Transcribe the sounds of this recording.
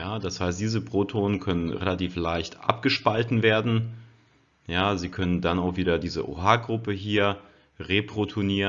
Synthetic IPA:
jaːdashaɪstd̥iːzəpʁ̥otʰoːnənkʰœnənʁḛlatiːflaɪçtʔa̰pɡ̥əʃpaltn̩veːɐdn̩ | jaːziːkʰœnəndanaʊxv̥iːdɐdiːzə̰ʔo̰ɦaːɡʁʊpəɦiːɐ | ʁeːpʁ̥otʰoniːə

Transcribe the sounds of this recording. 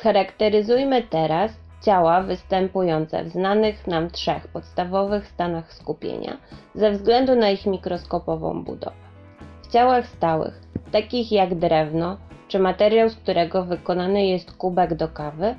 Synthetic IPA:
xaɾakt̪ɛɾɘzujmɘt̪ɛɾas | t͡ɕawavɘst̪ɛmpujɔnt̪sɛ̰vznanɘxnamt̪ʂɛxpɔt̪st̪avɔvɘxst̪anaxskupʲjḛɲa̰zɛvzɡlɛnd̪unaixmʲikɾɔskɔpɔvɔ̰̃w̃bṵd̪ɔ̰vɛ | ft͡ɕawaxst̪awɘ̰xt̪akʲixjaɡd̪ɾɛvnɔt͡ʂɘmat̪ɛɾʲjawskt̪uɾɛɡɔvɘkɔnanɘjɛst̪kubɛɡd̪ɔkavɘ

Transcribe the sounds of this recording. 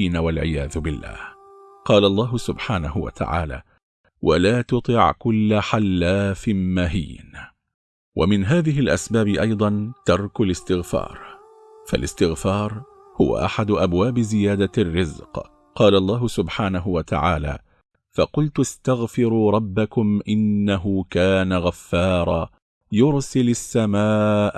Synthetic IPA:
iːnawalʕɪ̰jaːðʊbɪlːa̰ːh | qɑːlaʔlˤːɑːɦʊsʊbħaːnahʊwa̰t̪ʰa̰ʕa̰ːla̰ː | wa̰laːt̪ʊt̪ˤɨʕkʊlːaħalːaːfɪnmaɦḭːn | wʔa̰mɪnɦaːðɪɦɪlʔasbaːbɪʔɑjd̪ˤɑnt̪ɑɾˤkʊlɪst̪ɪɣfɑ̰ːɾˤ | fa̰lʔɪ̰st̪ɪɣfɑːɾˤ | hʊwa̰ʔa̰ħad̪ʊʔabwaːbɪzɪjaːd̪arːɪzq | qɑːlaʔlˤːɑːɦʊsʊbħaːnaɦʊwat̪a̰ʕa̰ːla̰ː | fɑqʊlt̪ast̪aɣfɪɾuːɾˤɑbːakʊmʔɪnːaɦʊkaːnaɣafːɑːɾˤɑː | jʊɾsɪlasːamaːʔ

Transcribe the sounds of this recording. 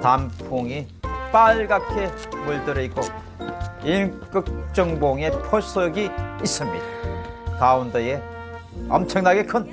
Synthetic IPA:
tampʰoŋi | p͈aɭɡakʰe̞muɭtɯɾɯik͈o | ink͈ɯk̚t͡ɕ͈ʌŋboŋe̞pʰos͈ʰʌɡiːs͈ɯmɲḭd̥̪a | kaundee | ʌ̰mt͡ɕʰʌŋnaɡe̞kʰɯn

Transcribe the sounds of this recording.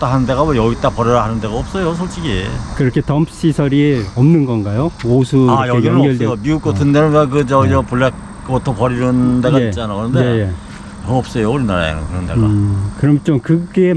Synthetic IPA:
t͈aɦanɯndeɡamʌjʌɡit͈apʌɾʌɾaɦanɯndeɡaʌp̚s͈ʌjosʰʌɭt͡ɕ͈iɡikɯɾʌkʰe̞tʌmpʰɕ͈isʰʌɾieʌmnɯnɡʌnɡajoosʰuaʌkjʌeɡjiʌŋɡʌɭdemiuk͈̚otʰɯndenɯnak̬ɯd͡ʑʌɡid͡ʑʌpuɭːek̚ | kotʰopʌɾiɾɯndeɡaeit͡ɕ͈anakɯɾʌndejeje | ʌʌp̚s͈ʌjouɾinaɾa̰ḛnɯɡkɯɾʌndeɡa̰kɯɾʌmt͡ɕomkɯɡe

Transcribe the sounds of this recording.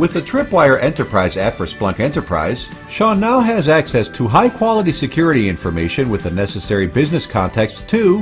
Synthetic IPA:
wɨðɨtʰɹ̥ɪpwaɪə˞ʔɛ̃ntə˞pʰɹ̥aɪzæpfə˞splʌ̃ŋkɛ̃ntə˞pʰɹ̥a̰ɪz̥ | ʃɑ̃naʊɨzæksɛstʰəɦaɪkʰw̥ɑlˠəɾisɨkʰj̥ʊɹɨɾiɪ̃ɱfə˞meɪʃɨ̃nwɨðɨnɛsɨsɛɹibɪznɨskʰɑ̃ntʰɛkstʰu

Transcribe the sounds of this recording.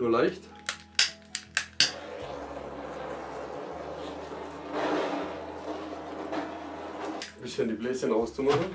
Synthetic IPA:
nuːɐlaɪçt | b̥ɪsəndiːbleːsçənʁaʊst͡sumaχn̩

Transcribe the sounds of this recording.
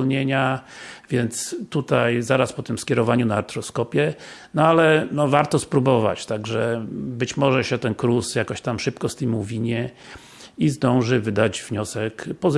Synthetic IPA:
lɲeɲavʲjɛnt̪st̪ut̪ajzaɾaspɔt̪ɘmskʲɛɾɔvaɲunaːɾt̪ɾɔskɔpʲjɛnɔalɛnɔvaɾt̪ɔspɾubɔva̰t͡ɕt̪aɡʐɛbɘt͡ɕmɔʐɛɕɛt̪ɛnkɾusjakɔɕt̪amʂɘpkɔst̪ɘmuvʲiɲɛ | izd̪ɔ̃w̃ʐɘvɘd̪ad͡ʑvɲɔsɛkpɔz

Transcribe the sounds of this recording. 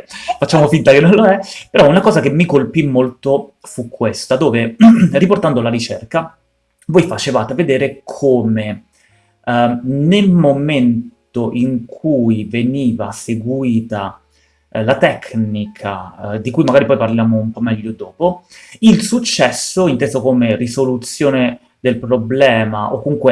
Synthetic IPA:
fat͡ʃːaːmofint̪akenːõnloɛpeɾɔunakɔːzak̟emːikolpimːolt̪ofukːwest̪ad̪oːveriport̪and̪olaɾit͡ʃɛrka | voːjfat͡ʃevaːt̪eved̪eːɾekʰoːme | nelmomentt̪oʔiŋkʰujveniːvaseɡwiːt̪a | lat̪ɛknikʰad̪ikujmaɡaːɾipɔjparljaːmoumpɔmːɛʎːod̪oːpoilsut͡ʃːɛsːoint̪eːzokomerisolut̪sːjoːne | d̪elpɾoblɛːmaʔokːomuŋkwe

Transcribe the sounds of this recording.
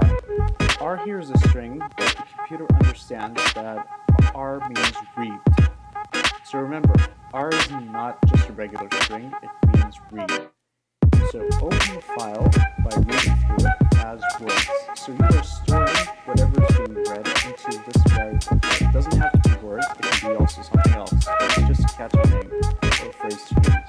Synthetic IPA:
əɹhiɹzɨstɹ̥ɪ̃ŋbɨt̪̚ðɨkʰm̩pʰj̥ʉɾə˞ʔʌ̰̃ndə˞stæ̃ndzðəɾɑɹmĩnzɹif | soʊɹɨmɛ̃mbə˞əɹɪzn̩nət̚d̥ʒ̥ʌstəɹɛɡjl̩ˠə˞stɹ̥ɪ̃ŋɨt̚mĩnzɹip | soʊʔoʊpɨ̃nfaɪlˠbaɪɹiɾɪ̃ŋθɹuəzwɜ˞θsoʊjiə˞stɔ̃ŋwʌɾɛvə˞zɨiɹɛɾɪ̃ntʰʉðɪsfaɪəɛd̥ʌz̃nthæftʰəbiwɜ˞kb̥ɨkʰʌziɔlˠsoʊsʌ̃mθɪ̃ŋɛ̰lˠsɨ̥d͡ʒʌskʰæt͡ʃɹɪ̃ŋəfeɪz̥tʰɹĩ̥

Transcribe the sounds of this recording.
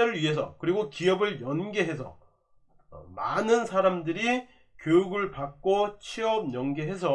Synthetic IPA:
eɾɯɾɥiɦe̞s̬ʰʌkɯɾiɡokiʌbɯɭjʌnɡe̞ɦe̞s̬ʰʌ | manɯnsʰaɾamdɯɾi | kjojuɡɯɭpak̚k͈ot͡ɕʰiʌmɲʌnɡe̞ɦe̞s̬ʰʌ

